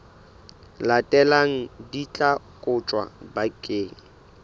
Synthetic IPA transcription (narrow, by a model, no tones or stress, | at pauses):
latʼɛlaŋ̩dit͡ɬʼakʼʊt͡ʃʼwa̰bakʼeːŋ̩